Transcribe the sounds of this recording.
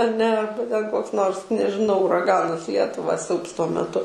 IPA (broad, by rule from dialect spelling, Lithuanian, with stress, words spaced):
ɐˈnʲɛ ˈɐrbɐ tʲɛn ˈkoːks ˈnoːrs nʲɛʒʲɪˈnɐʊ ʊrɐˈɡɑːnɐs ˈlʲiɛtʊʋɐ ˈsʲɛʊps tuɔ mʲɛˈtʊ